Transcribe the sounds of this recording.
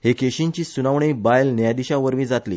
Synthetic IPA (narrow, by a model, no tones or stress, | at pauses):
hekeɕĩɲt͡ɕiːsunaʋɳiːbajlnjad̪iɕãʋəɾmĩːd͡zat̪lḭː